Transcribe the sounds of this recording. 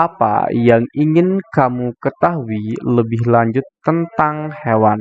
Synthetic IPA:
apa̰jaŋiŋɪnkamukət̪aɦuiləbɪhlaɲd͡ʒʊt̪ːənt̪aŋhewan

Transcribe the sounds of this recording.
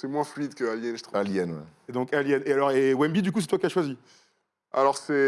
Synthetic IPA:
sɛmwɛ̃flɥid̪kəaljɛnʒət̪ʰaljɛnwɛ̰ed̪ɔ̃kaljɛnealɔʁewɛnbid̪ykus̬ɛt̪wakʲiaʃwazi | alɔʁsɛ

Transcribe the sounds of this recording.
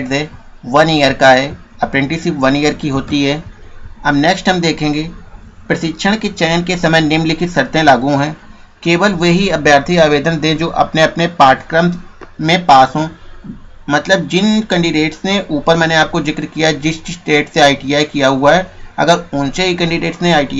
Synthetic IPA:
ʈzɦɛː | ʋɐniːjəɾkaɦɛː | ɐpɾɛ̃ɳʈisiʋɐnijəɾkiɦoːt̪iɦɛːɐmnɛːksʈɦəmd̪eːkʰẽːŋɡeːpɾəsɪkʃʰəɽ̃ket͡ʃɛːnkesɐməjnɪmlɪkʰisɐɾt̪ẽlaːɡũɦɛ̃ː | keːʋəlʋeɦiɐbjaːɾt̪ʰiaːʋeːd̪ənd̪ẽd͡ʒoːʔɐ̰pneɐpnepaːɾʈʰkɾəmmẽpaːsɦõː | mɐt̪ləb̚d͡ʒɪnkə̃ɳɖɪɖeːʈsnẽʔuːpəɾmɛ̃ːneaːp̚kozɪkɾkijaɦɛd͡ʒɪssʈeːʈseaːiʈiaːikijaɦʊaɦɛɐ̰ɡəɾʊ̃nt͡ʃeɦikɛ̃ɳɖɪɖeːʈsnẽaːiʈi

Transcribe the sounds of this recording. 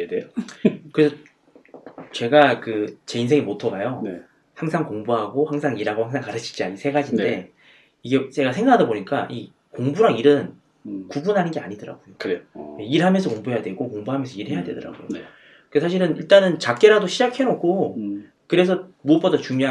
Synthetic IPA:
dekɯɾe̞sʰʌ | t͡ɕe̞ɡakɯt͡ɕe̞insʰe̞ŋimotʰʌɡajo | haŋsʰaŋkoŋbuɦaɡohaŋsʰaŋiɾɦaɡohaŋsʰaŋkaɾɯt͡ɕʰi̥t͡ɕiaisʰe̞ɡad͡ʑinde̞ | iɡe̞t͡ɕe̞ɡasʰeŋɡakʰadʌboɲik͈aʔi | koŋbuɾaŋiɾɯn | kubunɦanɯnɡe̞a̰ɲidɯɾa̰ɡojokɯɾeiɾɦamjʌnsʰʌkoŋbuɦe̞jadwe̞ɡokoŋbuɦamjʌnsʰʌiɾɦe̞jadwe̞̰dɯɾa̰ɡojo̰ | kɯkesʰaɕʰiɾɯniɭt͈anɯnt͡ɕak͈e̞ɾadoɕʰid͡ʑakʰenokʰo | kɯɾe̞s̬ʰʌmuʌp͈adat͡ɕuŋɲoa

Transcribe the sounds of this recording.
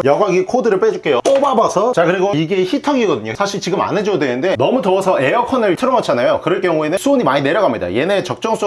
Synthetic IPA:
jʌɡaɡikʰodɯɾɯɭp͈ed͡ʑuk͈e̞jop͈obabasʰʌt͡ɕakɯɾiɡoiɡe̞çitʰʌɡiɡʌdɯɲosʰaɕʰiɭt͡ɕiɡɯma̰ned͡ʑdwe̞nɯnde̞nʌmutoʌsʰʌʔe̞jʌkʰʌnɯɭtʰɯɾʌmʌt͡ɕʰanajokɯɾʌɭk͈jʌŋue̞nɯnsʰuoɲimaɲine̞ɾjʌɡamɲida̰je̞net͡ɕʌk̚t͡ɕ͈ʌŋs͈ʰ

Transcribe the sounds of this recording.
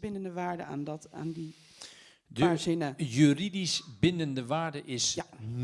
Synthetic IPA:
bɪnəndəʋaːɹdə̰antaːndi | dazɪnajyridisbɪndəndəʋaːɹdəʔɪsn

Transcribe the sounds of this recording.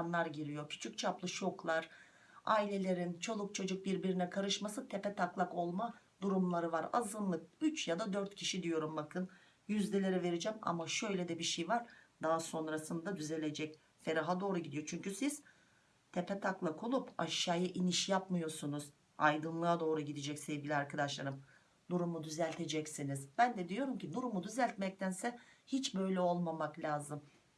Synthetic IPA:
nlˠaɾɟiɾijocʰy̥t͡ʃʰyct͡ʃʰaplˠɯʃo̞klˠaɾ̥ | aːilʲe̞lʲe̞ɾint͡ʃʰo̞lˠuk̚t͡ʃʰo̞d͡ʒuk̚biɾbiɾinɛkʰaɾɯʃmasɯt̪ʰe̞pɛt̪ʰaklˠako̞lˠma | d̪uɾumlˠaɾɯvaɾa̰zɯnlːˠɯk̚yt͡ʃjad̪ad̪øɾt̪cʰiʃid̪ijo̞ɾumbakʰɯn | jyzd̪elʲeɾɛve̞ɾid͡ʒɛma̰maʃø̞jlʲɛd̪ɛbiʃejvaɾ̥d̪aɦaso̞nɾasɯnd̪ad̪yze̞lʲe̞d͡ʒɛc | fe̞ɾaɦad̪o̞ːɾuɟid̪ijo̞t͡ʃʰyɲcysiz̥ | t̪ʰe̞pɛt̪ʰaklˠakʰolˠupa̰ʃjaːjaʔiniʃjapmɯjo̞sunuz̥ | a̰jd̪ɯnlˠɯad̪o̞ːɾuɟid̪ed͡ʒɛcse̞vɟʲilʲiaɾkʰad̪aʃlˠaɾɯm | nuɾumud̪yzælʲt̪ʰe̞d͡ʒɛcsiniz̥bænd̪ɛd̪ijo̞ɾumcinuɾumud̪yzælʲt̪mɛc̚t̪ʰænsɛhit͡ʃbø̞jlʲɛo̞lˠmamaklʲaːzɯm

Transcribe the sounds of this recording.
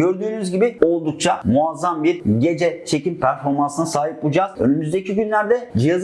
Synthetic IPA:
øɾd̪yːnyzɟibio̞lˠd̪uk̚t͡ʃʰamuazːambiɾɟe̞d͡ʒɛt͡ʃʰe̞cimpʰæɾfo̞ɾmansɯnɯsaːɦip̚ud͡ʒaz̥ø̞̰nymyzd̪ecʰiɟynlʲæɾd̪ɛd͡ʒɯjaz

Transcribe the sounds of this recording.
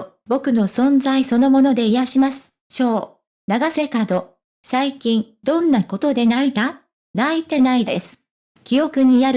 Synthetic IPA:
bo̞kɯ̟no̞sõ̞nzaiso̞no̞mo̞no̞d̪e̞ij̪aɕimasɨ̥ | ɕo̞ː | naɡase̞kad̪o̞ | saikʲĩn | d̪õ̞nːako̞t̪o̞d̪e̞naid̪a | nait̪e̞naid̪ḛsɨ̥ | kʲijo̞kɯ̟ɲ̟ijaɾ

